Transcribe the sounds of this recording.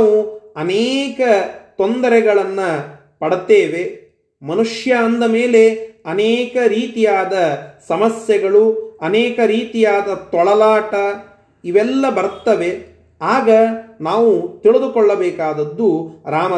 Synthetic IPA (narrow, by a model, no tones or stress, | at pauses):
uɐnɛːkɐt̪ond̪ɐɾɛɡɐɭɐnːɐ | pɐɽt̪eːʋe | mɐnuʂjɐːnd̪ɐmeːle̞ɐneːkɐɾiːt̪ijaːd̪ɐsɐmɐsjɛɡɐɭuɐnɛːkɐɾiːt̪ijaːd̪ɐt̪ɔɭɐlaːʈɐ | iʋɛlːɐbɐɾt̪ːɐʋe̞ | aːɡɐnaːʋut̪iɭid̪ukɔɭːɐbɛːkaːd̪ɐd̪ːuɾaːmɐ